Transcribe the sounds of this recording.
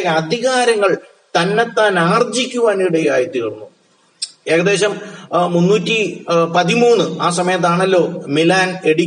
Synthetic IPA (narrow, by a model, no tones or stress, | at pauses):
ɐd̪ʱiɣaːɾɐŋːɐɭ | t̪ɐnːet̪ːaːnaːrd͡ʑikʲːuʋaːniɽea̰ːjit̪ːiunːu | e̞ːɣɐðe̞ːɕɐmmunːuːtʲːipɐðimuːnːɨaːsɐmɐjɐt̪̬ːaːɳɐlːo̞ːmilaːne̞ɽi